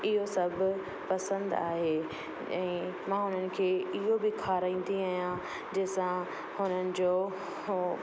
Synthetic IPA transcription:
ɪɦosɐbʱʊ̆ | pɐsə̃nd̪a̰ːɦeː | ɛ̃ːmãːɦʊnənɪ̆kʰeːɪɦobɪkʰaːɾaĩːn̆d̪iaːɦijã | d͡ʑeːsã | hʊnənɪ̆d͡ʑoː

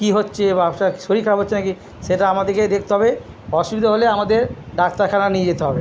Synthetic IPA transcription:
kiɦotːɕʰebaapʃaki̥ʃoɾikʰːaɾabɦotːɕʰenaki | ʃeʈaamad̪eɾked̪ek̚ʰt̪eɦɔbe | ɔʃubid̪ʱoɦoleamad̪eɾɖak̚t̪aɾkʰananied͡ʑet̪eɦɔbe

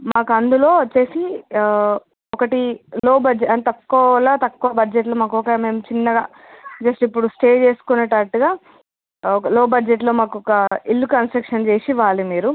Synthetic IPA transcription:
maːkuɐnd̪ulo̞ːt͡ʃe̞ːsi | ɔkɐʈiloːbɐd͡ʒɐnt̪ɐkːɔːɐlaːt̪ɐkːuʋɐbɐd͡ʒeʈ̬loːmaːkɔkɐme̞ːmt͡ʃinːɐɡa | d͡ʒeːsʈɐipːuɽusʈe̞ːd͡ʒe̞ːsu̥kunɐʈaːʈːuɡaː | ɔkɐloːbɐd͡ʒeʈ̬lo̞ːmaːkuɔkɐilːukɐnsʈɾɐkʂɐnt͡ʃe̞ːsiʋaːlimiːɾu

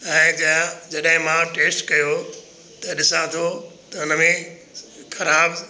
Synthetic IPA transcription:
ɛ̃ːd͡ʑad͡ʑɐɗɦɪ̃mãʈeːsʈkɐjo | t̪ɐɗɪsãt̪ʰot̪ɐʊnəmẽ | xɐɾaːb

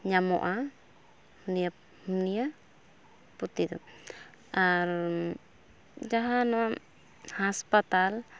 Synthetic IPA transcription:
ɲamɔ̰ʔa | hunija | hunija | put̪id̪ɔ̰ | aɾ | d͡ʒaɦanɔwa | haspat̪al

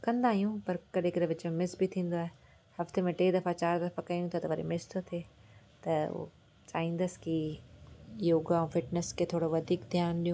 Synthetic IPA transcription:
kɐ̃nd̪aːɦijũpɐɾkɐɗekɪɾeʋɪt͡ɕmẽmɪsbʱit̪ʰĩːn̆d̪oaːɦe | hɐft̪emẽʈeːd̪ɐfat͡ɕaːɾd̪ɐfakɐjũt̪ʰat̪ɐʋɐɾḛmɪst̪ʰot̪ʰeːt̪ɐo̰ | t͡ʃaːɦĩːn̆d̪əski | joːɡaũfɪʈnəsket̪ʰoːɽoʋɐd̪ʱiːkd̪ʱjaːnɗijũ

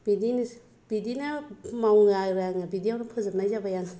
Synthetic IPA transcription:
b̥idini | b̥idinɐmawŋajɾaŋabidijawnapʰɯzɯp̚najzabajan

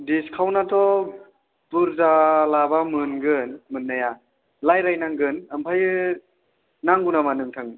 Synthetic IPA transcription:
diskʰawnatʰɔ | puɾzalabamɯnɡɯnmɯnːaja | lajɾajnaŋɡɯnampʰajɯ | naŋɡunamanɯŋtʰaŋ

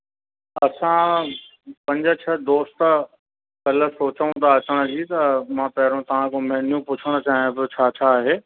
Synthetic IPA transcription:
ɐsã | pɐ̃ɲd͡ʑət͡ɕʰɐd̪oːst̪ | kɐlə̆soːt͡ɕːũt̪ʰaɐt͡ɕəɽ̃ʊ̆d͡ʑit̪ɐmãːpɐɦɪɾõt̪ɐʋ̤ãkʰõːmɐɦɪnijũpʊt͡ɕʰəɽ̃ʊ̆t͡ɕaːɦijũbɪt͡ɕʰaːt͡ɕʰaːɦeː

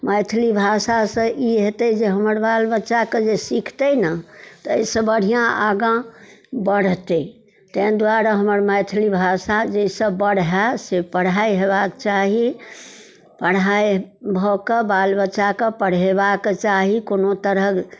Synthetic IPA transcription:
məjt̪ʰlibʱasasə̃ʔiɦet̪ɛd͡ʒeɦəməɾbalbətːt͡ʃaked͡ʒesikʰt̪ənət̪əeisə̃bəɽ̤ijãʔaɡãbəɽt̪ɛ | t̪ə̃d̪waɾaɦəməɾməjt̪ʰlibʱasad͡ʒesəbbəɽ̤ɦasepəɽ̤aiɦebakt͡ʃaɦi | pəɽ̤ajbʱɔkebalbət͡ʃakepəɽ̤ebaket͡ʃaɦikonot̪əɾək

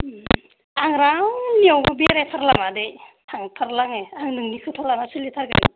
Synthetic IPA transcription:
aŋɾaŋniawɡbeɾetʰaɾlaŋadejtʰaŋtʰaɾlaŋeaŋnɯŋnikʰɯtʰaɾlaŋasɯlitʰaɾɡa̰

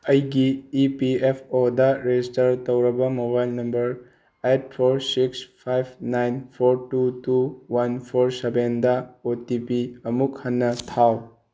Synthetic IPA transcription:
ɐjɡiːpiepʰodɐɾed͡ʒistɐɾtɐwɾɐbɐmobajlnɐmbɐɾ | et̚pʰoɾsikspʰajb̚ʰnajnpʰoɾtutuwanpʰoɾsebendɐotipiɐmuk̚hɐnːɐtʰaw

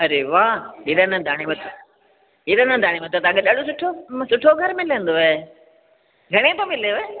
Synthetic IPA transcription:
ɐɾeʋaːɪɾənə̃d̪ʱaːɽ̃iʋɐt̪ʰ | ɪɾənə̃d̪ʱaːɽ̃imɐt̪ot̪aɐkɡeɗaɽosʊʈʰosʊʈʰoɡʱɐɾmɪlə̃nd̪oeː | ɡʱɐɽ̃et̪omɪljoɦeː

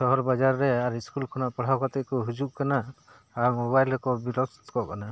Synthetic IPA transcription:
sɔɦɔɾbad͡ʒaɾːɛaɾiskulkʰɔnaʔpaɽ̤awkat̪ɛkɔɦud͡ʒuʔkanaː | ɾmoβajlɛkɔbilɔst̪kɔkana

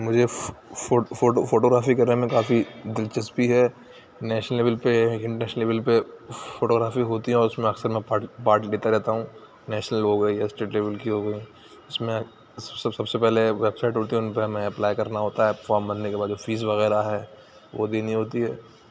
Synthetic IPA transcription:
mʊd͡ʒʱefofoʈofoːʈoːɡɾaːfikɐɾnemẽkaːfid̪ɪlt͡ʃɐspiɦɛ | nɛːʃnəleːʋəlpeɪ̃ɳʈəɾnɛːʃnəleːʋəlpefoːʈoːɡɾaːfiɦoːt̪iɦɛ̃ɔːɾʊsmẽɐksəɾmɛ̃paːʈpaːɾʈleːt̪aɾɛɦt̪aɦũː | nɛːʃnəlɦoɡɐijaɪsʈeːʈleːʋəlkiɦoɡɐi | ɪsmẽ | sssɐbsepɛɦleʋebsaːɪʈɦoːt̪iɦɛʊnpeɐmɛ̃ɐplaːjkɐɾnaɦoːt̪aɦɛfaːɾmbɐnnekebaːd̪d͡ʒofiːzʋɐɣɛːɾaɦɛː | ʋo̰d̪eːnĩɦoːt̪iɦɛː

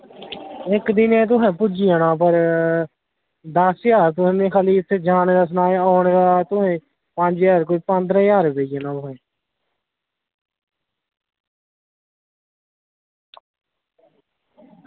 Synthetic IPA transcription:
ɪkd̪ɪnẽːt̪̬ʊɦɛ̃ːpʊd͡ʒiːãːnãːpəɾ | d̪əsjaːɾt̪ʊsːnẽːkʰaːliːɪt̪ʰːeːd͡ʒaːned̪əs̬naːoːɳːɡaːt̪ʊɦẽː | pəɲd͡ʒjaːɾkoiːpə̃nd̪ɾɛ̃ːjaːɾbeːiaːnãːt̪ʊɦɛ̃ː

